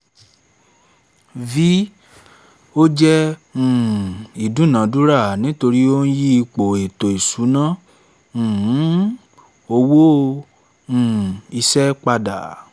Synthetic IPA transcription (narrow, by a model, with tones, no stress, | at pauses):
vi˦ | o˦d͡ʒɛ̃˦˨ | i˨dũ˨˦nã˨˦du˦ɾa˦˨nĩ˨˦to˧ɾi˦o˦n̩˦ji˦i˧k͡po˨e˨to˨i˨su˨˦nã˦˨˦ | o˧wo˦ | ũ˦˨i˧sɛ˦k͡pa˧da̰˨